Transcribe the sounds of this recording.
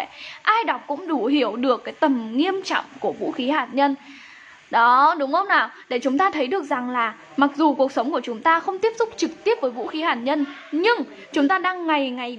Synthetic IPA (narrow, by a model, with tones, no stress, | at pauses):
ʔaː˧jɗa˨˩wk͡p̚kʊ̰˧˥ŋ͡mɗu˧˩hi˧˩əwɗɨ˨˩əkːaː˨˦jt̪ə˨˩mŋi˧əmt͡ɕɔ̰˧˨wŋ͡mku˧˩əvṵ˧˥xi˨˦haː˨˩t̚ɲə˧n | ɗɔ˨˦ɗʊ˨˦ŋ͡mxə˧wŋ͡mnaː˨˩wɗe˧˩t͡ɕʊ˨˦ŋ͡mt̪aː˧t̪ʰə˨˦jɗɨ˨˩ək̚za˨˩ŋlaː˨˩ | ma˨˩k̚zu˨˩ku˨˩ək̚sə˨˦wŋ͡mku˧˩ət͡ɕʊ˨˦ŋ͡mt̪aː˧xə˧wŋ͡mt̪i˦˥əp̚sʊ˦˥k͡p̚t͡ɕɨ˨˩k̚t̪i˦˥əp̚vəː˨˦jvṵ˧˥xi˨˦haː˨˩t̚ɲə˧nɲɨ˧ŋ | t͡ɕʊ˨˦ŋ͡mt̪aː˧ɗaː˧ŋːa˨˩jŋa˨˩j